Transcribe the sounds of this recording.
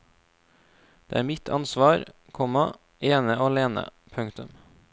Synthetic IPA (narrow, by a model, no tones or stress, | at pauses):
d̪̥ḛːæːɾmɪt̪ʰɑ̰nsʋɑːɾ | kʰɔmɑ | ʔeːnəoːɑleːnə̰ | pʰʉŋt̪ʉm